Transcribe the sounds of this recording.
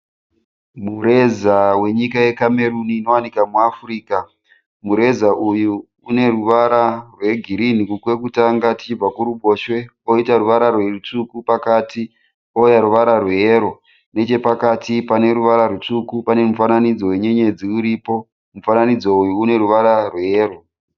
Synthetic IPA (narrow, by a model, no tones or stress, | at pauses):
muɾe̞zawe̞ɲikaje̞kame̞ɾuniːno̞wanikamuafuriːka | muɾe̞zaʔujuː | ne̞ɾuʋaɾarwe̞ɡʱiɾinikukwe̞kutaŋɡati̥t͡ʃib͡vakuɾuɓo̞ʃwe̞ | o̞itaɾuʋaɾarwerut͡sukupakati | ojaɾuʋaɾarweɾo̞ | ne̞t͡ʃe̞pakatipane̞ɾuʋaɾarut͡ʂukupane̞mufananid͡zo̞we̞ɲe̞ɲe̞d͡ziuɾiːpo̞ | mufananid͡zo̞ujuːne̞ɾuʋaɾarweːro